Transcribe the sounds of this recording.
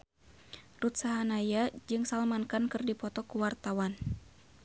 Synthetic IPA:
rut̪̚saɦanajad͡ʒɨŋsalmankankɨrdipɔt̪ɔkuwart̪awan

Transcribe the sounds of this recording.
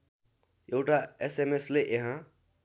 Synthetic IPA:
joʊʈaesemesleʔeɦã

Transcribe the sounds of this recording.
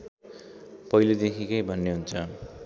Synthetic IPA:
pʌjlod̪ekʰikʌjbʱʌnːeɦunt͡sʰʌ

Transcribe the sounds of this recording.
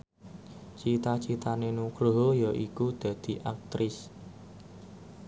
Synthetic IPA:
t͡ʃit̪at͡ʃit̪anenukɾoɦojaʔikud̪̥ä̤d̪̥i̤ʔak̚t̪ɾʔɪs

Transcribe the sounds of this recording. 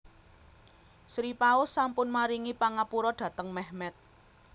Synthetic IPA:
sɾipaʊsːampʊnmaɾiŋipaŋapuɾɔɖ̥ä̤t̪əŋmɛhmɛt̪̚

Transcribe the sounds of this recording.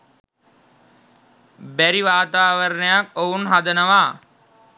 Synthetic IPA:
bæɾiʋaːt̪aːʋəɾnəjakounɦad̪ənəʋaː

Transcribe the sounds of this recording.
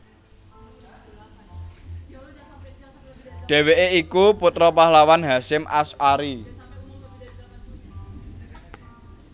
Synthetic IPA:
ɖ̪̥e̤weʔeikuput̪ɾɔpahlawanɦasɪmʔa̰sʔaɾi

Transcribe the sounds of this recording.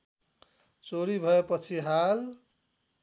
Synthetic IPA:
t͡soɾibʱʌepʌt͡sʰiɦal

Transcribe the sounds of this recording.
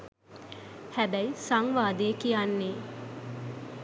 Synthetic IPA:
hæbæjsaŋʋaːd̪ejəkijanːeː

